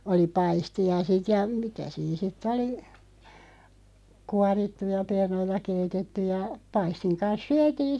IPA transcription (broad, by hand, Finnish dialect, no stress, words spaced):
oli pɑistiɑ sit jɑ mitæ siːn sitˑ oli kuɑritːujɑ pernoitɑ keitetetːyj̆ jɑ pɑistiŋ kɑns syætiːn̞